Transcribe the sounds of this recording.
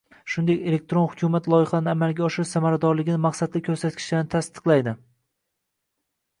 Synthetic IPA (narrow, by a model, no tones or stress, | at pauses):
ʃʊnd̪ekʲe̞le̞k̚t̪ɾonhʊkʲʰumat̪lˠɒjɪχɑanɪamalˠɡʲaɒʃɪʃsamaɾad̪ɒɾlɪɡʲɪnɪmaqsad̪lɪkʲʰɵɾsat̪̚kʲʰɪ̥ʃd̪anɪt̪ʰast̪ɨ̥qlˠajd̪ɪ